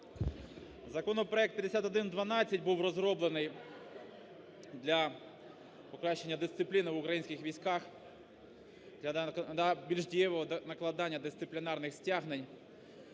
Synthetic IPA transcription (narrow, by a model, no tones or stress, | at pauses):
zɐkɔnɔpɾɔɛk̚t̪pʲjɐd̪esʲat̪ɔd̪ɪnd̪ʋɐnɑt͡sʲːɐtʲbuwrɔzɾɔblˠenɪj | d̪lʲɐ | pɔkɾɑʃt͡ʃːenʲːɐd̪ɪst̪sɪplʲinɪʋʊkɾɐjinʲsʲkʲɪxʋʲijsʲkɑx | d̪ʲɐɐbʲilʲʒdʲijɛʋɔɦɔnɐklˠɐd̪ɑnʲːɐd̪ɪst̪sɪplʲɪnɑrnɪxsʲtʲaɦnenʲ